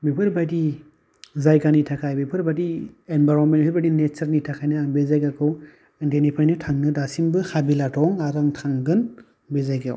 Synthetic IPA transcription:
bipʰɯɾbadi | zajɡanitʰakʰajbipʰɯɾbadienbajɾɔnmenpʰiɾbadinet͡ʃɐɾnitʰakʰajnɯaŋbezajɡakʰɯw | ndenipʰajnɯtʰaŋnɯdasimbɯhabilatʰɔŋaɾaŋtʰaŋɡɯn | bezajɡaw

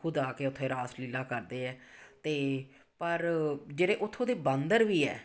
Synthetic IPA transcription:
ʊd̪aːkeːʊt̪ʰːẽːɾaːsliːlaːkəɾd̪eːɛːt̪eː | pəɾd͡ʒeːɾeːʔʊt̪ʰːõːd̪eːbənd̪əɾʋiːɛ̰ː

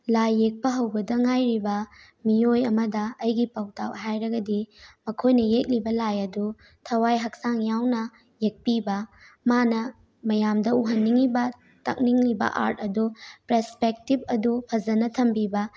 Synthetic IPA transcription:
lajːek̚pɐɦɐwbɐdɐŋajɾibɐ | mijojɐmɐdɐɐjɡipɐwtawɦajɾɐɡɐdimɐkʰojnɐjek̚libɐlajɐdu | tʰɐwajɦɐk̚saŋjawnɐ | jek̚pibɐ | manɐ | mɐjamdɐuɦɐnːiŋibɐ | tɐ̰k̚niŋlibɐ̰ʔa̰ɾtɐdupɾespek̚tib̚ʰɐdupʰɐzɐnɐtʰɐmbibɐ

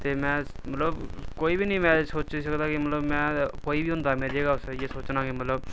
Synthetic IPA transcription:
t̪emɛ̃ː | mət̪ləbkoːibʱinəɦĩmɛ̃soːt͡ʃs̬əkd̪akimɐt̪ləbmɛ̃ːkoːibʱiɦʊ̃nd̪ameːɾd͡ʒeɡasjesoːt͡ʃnakimət̪ləb

